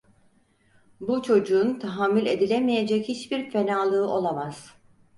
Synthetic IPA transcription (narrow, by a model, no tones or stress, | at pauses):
but͡ʃʰo̞d͡ʒuːnt̪ʰaɦaːmːylʲe̞d̪ilʲemije̞d͡ʒɛchit͡ʃbiɾfe̞naːlˠɯːɯʔo̞lˠamaz̥